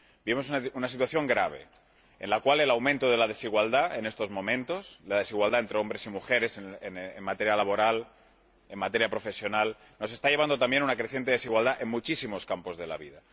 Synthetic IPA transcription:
bimo̞s̬ununasit̪waθjo̞ŋɡɾaβ̞e̞̰ | enlakwale̞lawmẽnt̪oðe̞lað̞e̞siɣwald̪ae̞ne̞st̪o̞zmõ̞mẽ̞nt̪o̞slaðe̞siɣwald̪aent̪ɾeo̞mbɾe̞simuxe̞ɾe̞seeneŋmat̪e̞ɾjalaβo̞ɾal | emmat̪e̞ɾjapɾo̞fe̞sjo̞nal | no̞s̬e̞st̪aʎeand̪o̞t̪ambje̞nunakɾeθje̞nt̪ee̞siɣwald̪aʔe̞ŋmut͡ʃisimo̞skampo̞zðe̞la̰βiða

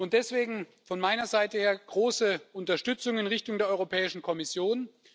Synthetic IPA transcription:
ʊntd̥ɛsv̥eːɡŋ̩ | fɔnmaɪnɐzaɪtəheːɐɡ̥ʁoːsəʔʊntɐʃtʏt͡sʊŋəɪnʁɪçtʊŋdeːɐʔɔʏʁopʰɛːɪʃn̩kʰɔmɪsjoːn

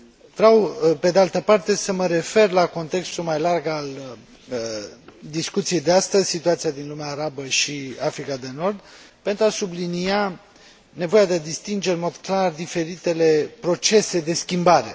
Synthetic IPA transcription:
vɾeawpe̞d̪ealt̪əpart̪e̞səməɾe̞fe̞rlako̞nt̪e̞kst̪ulmajlarɡal | d̪iskut̪sije̞jd̪east̪əzʲsit̪uat̪sijad̪inlumeaːɾabəʃiafɾikad̪e̞no̞rd̪ | pe̞nt̪ɾuasublinia | ne̞vo̞jad̪e̞d̪ist̪ind͡ʒe̞ɾnmo̞d̪klard̪ife̞ɾit̪e̞le̞pɾo̞t͡ʃe̞se̞d̪e̞skʲimbaɾe̞̰

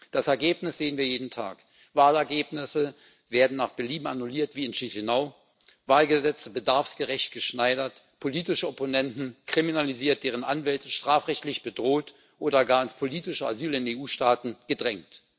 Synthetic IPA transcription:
d̥asɛɐɡeːpnɪsz̥eːənviːɐjeːdn̩tʰa̰ːk | vaːlɛɐɡeːpnɪsə | veːɐdn̩naːχb̥ɛɐliːma̰nuliːɐtv̥iːɪnʃiçɪnaʊ | vaːlɡəzɛt͡səbədaɐfsɡ̥əʁɛçt̚ɡ̥əʃnaɪɾɐt | pʰoliːtɪʃəɔponɛntn̩kʁ̥iminaliziːɐt̚d̥eːʁ̞ənʔanvɛltəʃtʁ̥aːfʁɛçtlɪçb̥ədʁoːt | ʔoːdɐɡaːɐɪnspʰoliːtɪʃɐa̰zyːlɪneːuːʃtaːtn̩ɡ̥ədʁɛŋkt

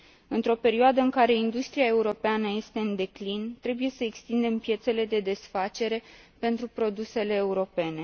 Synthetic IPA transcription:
ɨnt̪ɾo̞pe̞ɾioad̪əɨŋkaɾe̞ind̪ust̪ɾiae̞uɾo̞peanəje̞st̪e̞ɨnd̪e̞klint̪ɾe̞buje̞səekst̪ind̪e̞mpje̞t̪se̞le̞d̪e̞d̪e̞sfat͡ʃe̞ɾe̞ | pe̞nt̪ɾupɾo̞d̪use̞le̞ːuɾo̞pe̞ne̞

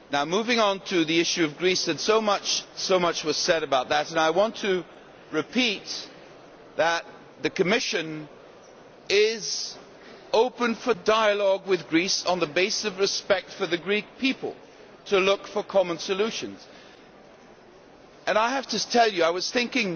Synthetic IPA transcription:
naʊmuvɪ̃ŋə̃ntʰɨðiɪʃʉʌvɡɹisɨ̃nsoʊmʌt͡ʃsoʊmʌt͡ʃwʌz̥sɛɾɨbaʊt̪̚ðɨɾɨ̃naɪwɑ̃ntʰɨ | ɹɨpʰit̪̚ | ðɨt̪̚ | ðɨkɨmɪʃɨ̃n | ɪz | oʊpɨ̃nfə˞daɪɨlɔɡwɨðɡɹisn̩ðəbeɪsɨsʌvɹɨspɛk̚tfə˞ðɨɡɹik̚pʰipə̰l̩ˠ | tʰɨlʊkfə˞kʰɑmə̃nsɨlʉʃɨ̃nz̥ | ʔɨ̃naɪɦæftɨtʰɛlˠjɨaɪwʌz̥θɪ̃ŋkɪ̃ŋ

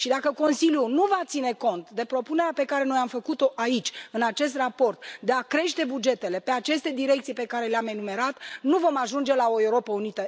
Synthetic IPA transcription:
ʃid̪akəko̞nsiljunuvat̪sine̞ko̞nt̪d̪e̞pɾo̞pune̞ɾeape̞kaɾe̞no̞jamfəkut̪o̞ʔait͡ʃʲɨnat͡ʃe̞s̬t̪rapo̞rt̪d̪e̞akɾe̞ʃt̪e̞bud͡ʒe̞t̪e̞le̞pe̞at͡ʃe̞st̪e̞d̪iɾe̞k̚t̪sijpe̞kaɾe̞leame̞nume̞ɾat̪nuvo̞maʒund͡ʒe̞lao̞e̞uɾo̞pəunit̪ə

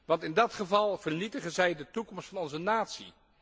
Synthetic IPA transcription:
ʋɑntɪndɑtχəvɑlˠv̥ərnitəχənzɛjdətukɔmstfɑnɔnzənaːtsḭ

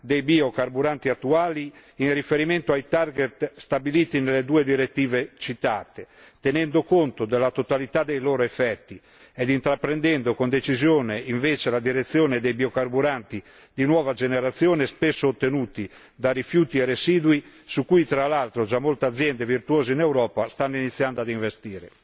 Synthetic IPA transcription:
d̪ejbiokaɾbuɾant̪iat̪ːuaːliːnrifeɾimɛnt̪oajt̪arɡet̪st̪abiliːt̪inelːed̪uːed̪iɾet̪ːiːvet͡ʃit̪aːt̪e | t̪enɛnd̪okont̪od̪elːat̪ot̪alit̪ad̪ejloːɾoefːɛt̪ːi | ɛd̪int̪ɾapːɾend̪ɛnd̪okond̪et͡ʃizjoːneiɱveːt͡ʃelad̪iɾet̪sːjɔːned̪ejbiokarbuɾant̪i | d̪inwɔːvad͡ʒeneɾat̪sːjɔːnespesːoːt̪ːenuːt̪i | d̪arifjuːt̪iɛresiːd̪ui | sukːujt̪ɾalalt̪ɾod͡ʒamːolt̪ead̪zːjɛnd̪evirt̪uɔːzeinewɾɔːpast̪anːinit̪sːjand̪oad̪iɱvest̪iːɾe

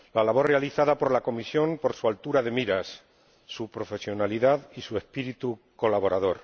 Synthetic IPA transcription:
lalaβ̞o̞ɾrealiθaðapo̞ɾlako̞misjo̞mpo̞ɾsualt̪uɾaðe̞miɾasː | upɾo̞fe̞sjo̞naliðaðisue̞spiɾit̪u | ko̞laβo̞ɾaðo̞ɾ

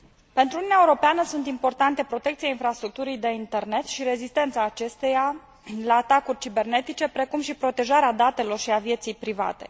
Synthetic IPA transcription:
pe̞nt̪ɾununeaeuɾo̞peanəsunt̪impo̞rt̪ant̪e̞pɾo̞t̪e̞kt̪siainfɾast̪ɾuk̚t̪uɾijd̪e̞int̪e̞rne̞t̪ʃiɾe̞zist̪e̞nt̪saːt͡ʃe̞st̪e̞ja | laːt̪akurʲt͡ʃibe̞rne̞t̪it͡ʃe̞pɾe̞kumʃipɾo̞t̪e̞ʒaɾead̪at̪e̞lo̞rʃiavje̞t̪sijpɾiva̰t̪e̞̰

